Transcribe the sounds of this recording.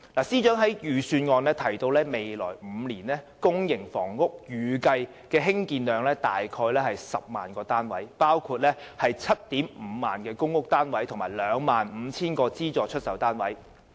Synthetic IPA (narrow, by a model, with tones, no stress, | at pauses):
laː˨˩siː˥t͡ʃœː˨˥ŋɦɐ˨˥jjyː˨˩syː˧nŋɔː˧nlɛː˥t̪ʰɐ˨˩jt̪o˧wlɛː˥me˨jlɔ̰ː˨˩jm̩ː˨˧liː˨˩nɛː˥ | kʊ˥ŋjɪ˨˩ŋfɔː˨˩ŋːʊ˥k̚jyː˨kɐ˧j | kɛː˧ɦɪ˥ŋkiː˧nlœː˨˧ŋlɛː˥t̪a̰ː˨jkʰɔː˧jlɛː˥hɐ˨jsɐ˨p̚ma̰ː˨nkɔː˧t̪aː˥nwɐ̰˨˥jpaː˥wkʰuː˧t̚lɛː˥hɐ˨jt͡sʰɐ˥t̚t̪iː˨˥m̩˨˧ma̰ː˨nkɛː˧kʊ˥ŋːʊ˥k̚t̪aː˥nwɐ˨˥jt̪ʰʊ˨˩maː˨˩jlœː˨˧ŋmaː˨nm̩ː˨˧t͡sʰiː˥nkɔː˧t͡siː˥t͡ʃɔː˧t͡ʃʰɵ˥t̚sɐ˨˥wt̪aː˥nwɐ̰˨˥j